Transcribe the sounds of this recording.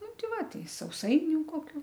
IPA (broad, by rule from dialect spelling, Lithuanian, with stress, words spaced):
ˈnʊ ˈtʲɪ ˈʋɐ ˈtɐɪ sɐʊˈsɐɪnʲʊ koːˈkʲuː